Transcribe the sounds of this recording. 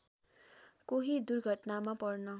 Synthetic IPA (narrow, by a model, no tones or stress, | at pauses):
koɦid̪urɡʱʌʈnamapʌrnʌ